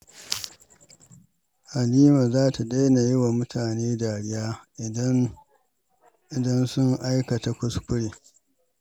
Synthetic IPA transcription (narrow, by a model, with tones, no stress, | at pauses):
ha˨niː˦maː˨zaː˦ta˨ɗe˦na˨jɪ˦wa˨mʊ˦tʰaː˨neː˦daː˨ɽɪ˦jaː˦ɪ˨˦ | ʔɪ˨dɐ˦nsʊ˦ŋʔa˦jkɐ˨ta˦kʷʊ˦skʷʊ˦ɽeː˨